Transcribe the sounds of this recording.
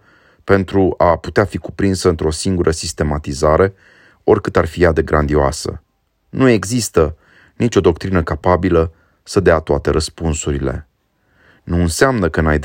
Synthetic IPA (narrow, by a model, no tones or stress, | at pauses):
pe̞nt̪ɾuʔapu̥t̪eafiku̥pɾinsəɨnt̪ɾo̞siŋɡuɾʔəsist̪e̞mat̪izaɾe̞ | o̞rʲkɨt̪arfijad̪eɡɾand̪ioasə̰ | nue̞ɡzist̪ə | nit͡ʃʲo̞d̪o̞k̚t̪ɾinəkapabilə | səd̪eat̪oat̪e̞ɾʔəspunsuɾile̞̰ | nuɨnseamnəkənaj̪